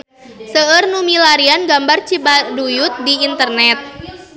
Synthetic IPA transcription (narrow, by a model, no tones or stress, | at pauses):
səərnumilaɾianɡambart͡ʃibadujʊt̪̚diint̪ərnɛt̪̚